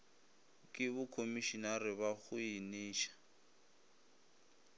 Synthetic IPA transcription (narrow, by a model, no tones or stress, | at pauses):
kʼɪβʊkʰomiʃinarɪβaɣʊiniːʃḁ